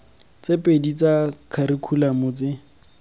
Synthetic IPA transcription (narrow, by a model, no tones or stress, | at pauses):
t͡sepʼedit͡sakʰaɾikʰulamʊt͡sɪ